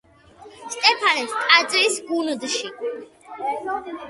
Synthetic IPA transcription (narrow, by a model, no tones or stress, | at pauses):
st̪ʼɛpʰanɛt̪st̪ʼad̪zʼvisɡund̪ʃi